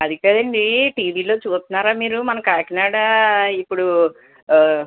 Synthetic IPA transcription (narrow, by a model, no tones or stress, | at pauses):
ɐd̪ikɐd̪ɐɳɖiʈiːʋiːlo̞ːt͡ʃuːst̪unːaːɾaːmiːɾumɐnɐkaːkinaːɽaipːuɽu